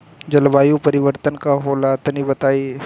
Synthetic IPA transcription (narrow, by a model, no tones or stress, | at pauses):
d͡ʒɐlʋaːjũpəɾɪʋəɾt̪ənkaɦoːlat̪nibət̪aːiː